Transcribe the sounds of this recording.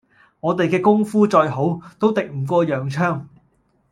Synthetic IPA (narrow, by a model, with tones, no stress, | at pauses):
ŋɔː˨˧t̪e˨jkɛː˧kʊ˥ŋfuː˥t͡ʃɔː˧jɦo˨˥wt̪o˥wt̪ɪ˨k̚m̩ː˨˩kʷɔː˧jœː˨ŋt͡ʃʰœː˥ŋ